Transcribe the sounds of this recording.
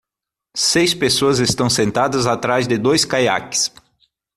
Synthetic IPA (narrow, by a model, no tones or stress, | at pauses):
sejspesoɐzest̪ɐ̃w̃sẽnt̪ad̪ɐzat̪ɾazd̪ɪd̪ojskaja̰kɪ̥s